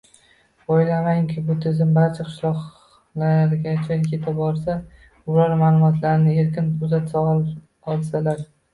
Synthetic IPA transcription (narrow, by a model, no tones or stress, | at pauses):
ojlamaŋkʲʰɪbʊt̪ʰɪzɪmbaɾt͡ʃʰaqʰɨ̥ʃlˠɒq | laɾɡʲat͡ʃʰakʲʰe̞t̪ʰabɒɾsa | ʊlaɾmaːlˠʊmɒt̪ʰlaɾɪnɪe̞ɾkʲɪnʊzat̪saɒl | ɒlˠsalaɾ